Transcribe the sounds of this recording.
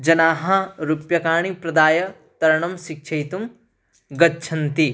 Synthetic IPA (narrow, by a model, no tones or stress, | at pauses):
d͡ʒɐnaːɦɐɾupjɐkaːɳ̃ipɾɐd̪aːjɐ | t̪ɐɾɐɳɐmʃik̚ʃʰɐjt̪um | ɡɐtːt͡ʃʰɐnt̪i